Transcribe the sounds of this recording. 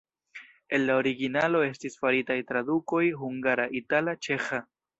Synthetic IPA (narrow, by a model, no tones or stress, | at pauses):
e̞nlao̞ɾiɡinalo̞e̞stisfaɾitajtɾaduko̞jɦuŋɡaɾaʔitalat͡ʃe̞xa